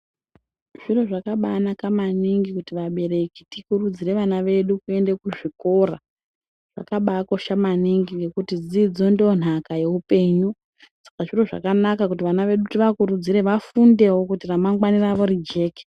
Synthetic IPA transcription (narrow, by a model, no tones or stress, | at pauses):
ʐ̥iro̞ʐakaɓaːnakamaniŋɡikutiʋaɓe̞ɾe̞kitikurud͡zire̞ʋanaʋe̞ɗukue̞nde̞kuʐiko̞ra | ʐ̥a̰kaɓako̞ʃamaniŋɡiŋɡe̞kutid͡zid͡zo̞ndon̤akaje̞upe̞ːɲu | sḁkaʐiro̞ʐa̰kanakakut̬iʋanaʋe̞ɗutiʋakuɾud͡ziɾe̞ʋafunde̞wo̞kutiramaŋɡwaniraʋo̞rid͡ʒe̞ːke̥